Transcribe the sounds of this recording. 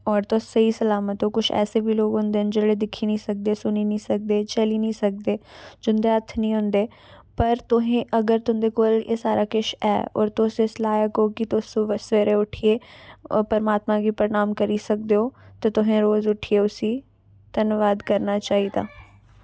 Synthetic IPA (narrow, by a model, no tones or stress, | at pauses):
ɔːɾt̪osɐisɐlaːmət̪õkʊt͡ʃʰɛ̰ːsebʱiloːɡɦʊ̃ːnd̪eːɦənd͡ʒeɽed̪ɪkʰːinəĩsɐk̚d̪esʊninĩsɐk̚d̪eːt͡ʃɐlinĩsɐk̚d̪eːd͡ʒʊnd̪eət̪ʰnĩːɦʊ̃nd̪eː | pɐɾt̪ʊɦẽʔɐɡəɾt̪ʊɦ̪d̪ekoːlḛːsaːɾakɪʃɛ̰ːɔ̰ːɾt̪ʊseslaːjəkokit̪ʊsõʋəsʋeːɾeʊʈʰiepɐɾmaːt̪mãɡipəɾɪnaːmkɐɾisɐk̚d̪eoːt̪ɐt̪ʊɦẽɾoːzʊʈʰieʊsi | t̪ɐnʋaːd̪kɐɾnaːt͡ʃaːɦid̪a̰ː